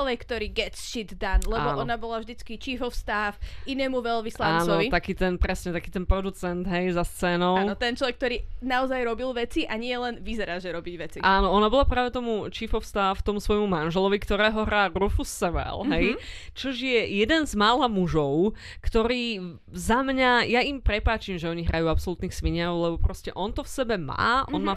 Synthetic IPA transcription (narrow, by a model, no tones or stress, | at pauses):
ɔʋɛkːt̪ɔɾiːɡɛt̪sʃit̪d̪anlɛbɔɔnabɔlavʒd̪it͡skit͡ʃifɔwst̪aːfinɛːmuʋɛlʋislaanːt͡st͡snɔɔʋit̪akiːt̪ɛnpɾɛsɲɛt̪akiːt̪ɛnpɾɔd̪ut͡sɛnd̪ɦɛjzast͡sɛːnɔaːnɔt̪ɛnt͡ʃlɔʋɛk̚t̪ɔɾiːnaɔzajɾɔbilˠʋɛt͡siʔaɲɪɛlɛnʋizɛɾaːʒɛɾɔbiɟʋɛt͡siʔaːnɔɔnabɔlapɾaːʋɛt̪ɔmut͡ʃiːfɔfst̪aft̪ɔmusʋɔjmumanʒɛlɔʋikt̪ɔɾɛːɦɔɦɾaːɾufusːʋɛ̰lɦɛjt͡ʃɔʒjɛjɛd̪ɛnzmaːlamuʒɔʊ | kt̪ɔɾiː | zamɲajaimpɾɛpaːt͡ʃimʒɛɔɲiɦɾʔajuːapsɔlut̪niːxsʋiɲaʊlɛbɔpɾɔscɛʔɔnt̪ɔfsɛbɛma̰ːʔɔnmaː